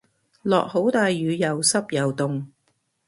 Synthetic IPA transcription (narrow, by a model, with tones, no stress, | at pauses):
lɔ̰ː˨k̚ho˨˥wt̪aː˨jːyː˨˧jɐ˨wsɐ˥p̚jɐ˨wt̪ʊ˨ŋ